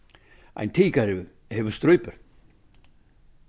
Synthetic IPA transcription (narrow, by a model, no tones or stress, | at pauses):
a̰jnt̪ʰiːkaɾɪ | hɛvʏɾ̥st̪ɾœːɥpʏɾ̥